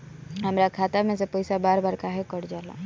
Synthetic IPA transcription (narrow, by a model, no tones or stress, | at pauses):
ɦəmɾakʰaːt̪amẽsepoɪsabaːɾbaːɾkaɦekəɽd͡ʒaːla̰ː